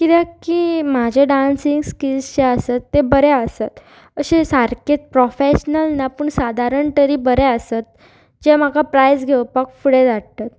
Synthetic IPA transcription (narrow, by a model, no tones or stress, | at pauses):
kit̪akiːmad͡ʑʱeɖansiŋɡskiɕeəsət̪ːebəɾɛəsat̪ | əɕesaɾket̪̚pɾɔfeɕnəlnapəɳsad̪ʱaɾəɳʈəɾiːbəɾɛəsat̪̚ | d͡ʑem̤akapɾajsɡʱewpakfuɽed͡z̪aɽt̪at̪